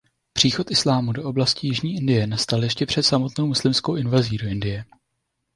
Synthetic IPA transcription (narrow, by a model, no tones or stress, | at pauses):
pr̥iːxo̞t̪ʔɪslaːmudoʔo̞blascijɪʒɲiːʔɪndɪjɛnast̪aljɛʃcɛpr̝̥ɛt̪samo̞t̪no̞wmuslɪmskowʔɪnvaziːdo̞ʔɪndɪjɛ